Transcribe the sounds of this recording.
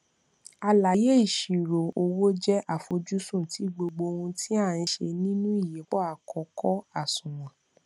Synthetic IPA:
a˧la˨je˦i˦˨ʃi˨ɾo˨o˧wo˦d͡ʒɛ˦ʔa˦˨fo˧d͡ʒu˦sũ˦˨tʰi˨˦ɡ͡bo˧ɡ͡bo˧ũ˧tʰi˦a˦˨n̩˧˦ʃḛ˧nĩ˦nũ˦i˦˨je˨˦k͡pɔ˦a˨kɔ˨˦kɔ˦a˦˨sũ˨w̃ã˨

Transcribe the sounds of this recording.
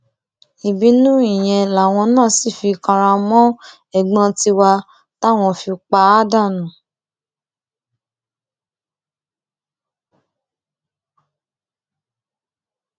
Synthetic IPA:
i˨bi˨˦nũ˦i˦˨j̃ɛ̃˧la˨w̃ɔ̃˧nãː˦˨si˦˨fi˧kã˧ɾ̃ã˧mɔ̃˦ | ɛ˦˨ɡ͡bã˧ti˧wa˧ | ta˦˨w̃ɔ̃˧fi˧u˧k͡pa˧˦da˦˨nũ˨

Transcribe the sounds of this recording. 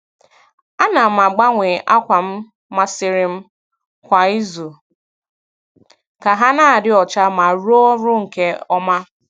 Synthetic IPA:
a˦na˨ma˨ɡ͡ba˦ŋʷe˨ʔa˦kʷa˨m̩˦ | ma˦sɪ˦ɾɪ˦m̩˦ | kʷa˨i˦zu˨ | ka˨ɦa˦na˦a˨dɪ˦ɔ˨t͡ʃa˦ma˨ɾu˦o˦ɾʊ˦ŋ̩˨ke˦ɔ˦ma˦

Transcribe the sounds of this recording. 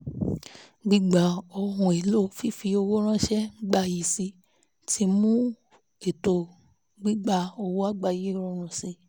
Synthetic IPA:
ɡ͡bi˦ɡ͡ba˨˦o˧hũ˧e˨lo˦fi˦fi˧o˧wo˦ɾ̃ã˦ʃɛ˦ŋ͡m̩˦ɡ͡ba˧˨ji˨si˧˦ | tʰi˧˦mũ˦ | e˨to˧˨ | ɡ͡bi˦ɡ͡ba˧˦o˧wo˦a˦ɡ͡ba˧˨ji˨˦ɾo˦ɾ̃ũ˧˨si˧

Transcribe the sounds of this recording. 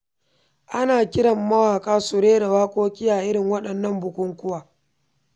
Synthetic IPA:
ʔa˦naː˨kʲɪ˦ɽɐ˨mːɐ˦waː˨kʼaː˦sʊ˨ɾeː˦da˨waː˦kʷʼoː˦kʲʼɪ˦jaː˨ʔɪ˦ɽɪ˨ŋwɐ˦ɗɐ˨nːɐ˦˨mbʊ˨kʷʊ˦ŋkʷʊ˦waː˨

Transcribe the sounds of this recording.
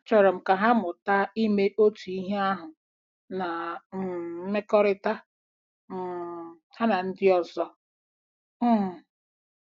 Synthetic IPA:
t͡ʃɔ˨ɾɔ˨m̩˨ka˨ɦa˦mʊ˨ta˦i˦me˦ʔo˦tu˨i˦ɦe˦a˦ɦʊ˨ | na˨ | m̩˦me˦kɔ˦ɾɪ˦ta˦ | m̩˨ | ha˦na˨n̩˦dɪ˦ɔ˨zɔ˦˨

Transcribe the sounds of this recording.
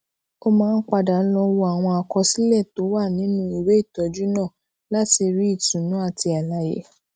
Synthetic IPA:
o˦mãː˦˧n̩˦k͡pa˧da˨n̩˦lɔ̃˧wo˧a˨w̃ɔ̃˧a˧kɔ˧si˦lɛ˦˨to˨˦wa˦˨nĩ˨˦nũ˧˦i˨we˦i˦˨tɔ˨˦d͡ʒu˦nãː˦˨ | la˦ti˧ɾi˦i˦˨tũ˨˦nũ˨˦a˦˨ti˧a˨la˨˦jḛ˨˦

